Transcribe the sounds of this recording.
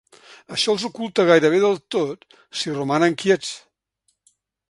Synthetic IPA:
əʃɔlˠzukulˠt̪əɣajɾəβ̞eðəlˠt̪ot̪ | sirumanəŋkjet͡s

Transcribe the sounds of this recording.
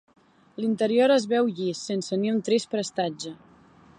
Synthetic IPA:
lint̪əɾioɾəzβɛwʎisensəniunt̪ɾispɾəst̪ad͡ʒə

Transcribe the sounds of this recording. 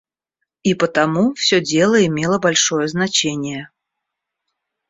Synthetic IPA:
ipət̪ɐmufsʲɵdʲe̞lˠəɪmʲe̞lˠəbɐlʲʂo̞jəznɐt͡ɕenʲɪjə

